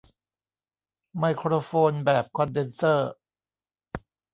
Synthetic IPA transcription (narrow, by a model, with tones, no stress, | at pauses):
ma˧jkʰɾoː˧foː˧nbɛː˨˩p̚kʰɔ˧nde˧nsɤː˥˩